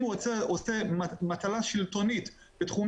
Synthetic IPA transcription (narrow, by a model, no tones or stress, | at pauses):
ueosemat̪alaʃilt̪o̞nit̪ | b̥et̪χum